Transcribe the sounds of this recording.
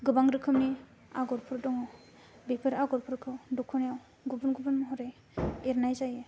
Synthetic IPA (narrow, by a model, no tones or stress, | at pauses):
ɡɯbaŋɾɯkʰɯmni | aɡɔɾpʰuɾdɔŋɔ | bepʰɯɾaɡɔɾpʰɯɾkʰɯdɔkʰunijaw | ɡubɯnɡubɯnmɔɦɔɾej | eɾnajzaje